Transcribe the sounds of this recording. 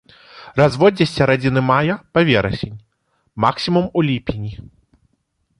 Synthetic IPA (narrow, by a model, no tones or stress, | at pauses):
razvɔd͡zʲɐsʲːɐɾad͡zʲinɨmajɐpavʲɛɾɐsʲenʲ | maksʲimumulʲipʲinʲi